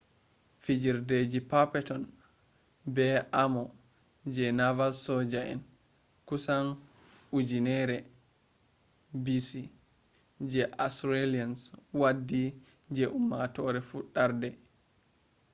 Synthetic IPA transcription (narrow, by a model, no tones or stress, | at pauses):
fid͡ʒiɾded͡ʒipapɛtɔn | bɛʔamɔ | d͡ʒɛnavalsɔd͡ʒaɛ̰n | kusanud͡ʒinɛɾɛ | bisi | d͡ʒɛʔasɾelianswadːi | d͡ʒɛʔumːatɔɾɛfuɗaɾdɛ